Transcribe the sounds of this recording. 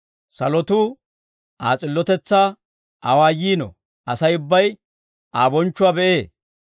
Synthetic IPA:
sɐlɔt̪ʊ | ʔaːt͡sʼɪlːɔt̪ɛt͡sːaː | ʔɐwaːjiːnɔ̰ | ʔɐsɐjʊbːɐj | aːbɔnt͡ʃːʊwaːbɛʔeː

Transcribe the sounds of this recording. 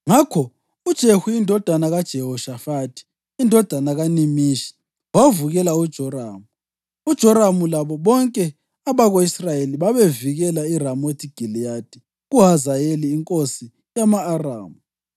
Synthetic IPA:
ŋakʰɔ | ud̥ʒ̥ʱehujindʱɔd̥ʱanaɣad̥ʒ̥ʱɛɦɔʃafatʰi̥ | indʱɔd̥ʱanaɣanimiːʃi̥ | wawvuɣɛlaud̥ʒ̥ʱɔraːmu | ud̥ʒ̥ʱɔɾamulaβɔβɔŋkʼɛ | aβaɣoisrajeliβaβeviɣɛlairamotʰʼiɡ̥ʱilijad̥ʱi | ɣuɦazajeliːŋkʼosi | jamaːra̰ːmu

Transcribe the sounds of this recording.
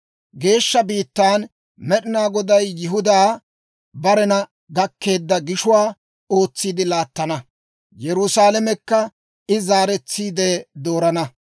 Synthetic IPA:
ɡe̞ːʃːɐbiːt̪ːaːn | mɛɗɪnaːɡɔd̪ɐjːɪɦʊd̪aː | bɐɾɛnɐ | ɡɐkːe̞ːd̪ːɐɡɪʃʊwaː | o̞ːt͡sːiːd̪ɪlaːt̪ːɐnɐ | jɛɾʊsaːlɐmɛkːɐ | ɪzaːɾɛt͡sːiːd̪eːd̪o̞ːɾɐnɐ

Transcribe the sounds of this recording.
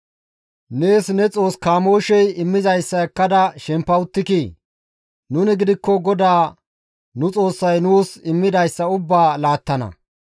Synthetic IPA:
ne̞ːsnɛt͡sʼo̞ːskaːmo̞ːʃɛjɪmːɪzɐjsːɐɛkːɐd̪ɐʃɛmpːɐwʊt̪ːɪkiː | nʊnɪɡɪd̪ɪkːɔɡɔd̪aː | nʊt͡sʼo̞ːsːɐjnuːsɪmːɪd̪ɐjsːɐʊbːaːlaːt̪ːɐnɐ̰

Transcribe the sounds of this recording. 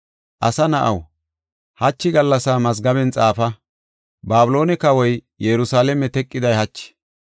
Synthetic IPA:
ʔɐ̰sɐnɐʔɐ̰w | hɐt͡ʃːɪɡɐlːɐsaːmɐzɡɐbɛnt͡sʼaːfɐ | baːbʊlo̞ːnɛkɐwɔj | jɛɾʊsaːlɛmɛt̪ɛkʼːɪd̪ɐjhɐt͡ʃːɪ̥

